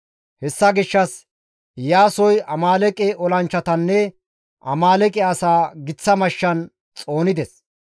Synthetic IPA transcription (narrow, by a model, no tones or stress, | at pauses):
hɛsːɐɡɪʃːɐs | jaːsɔjɐmaːlɛkʼɛʔɔlɐnt͡ʃːɐt̪ɐnːɛ | ʔɐ̰maːlɛkʼɛɐsaːɡɪt͡sːɐmɐʃːɐn | t͡sʼo̞ːnɪd̪ɛs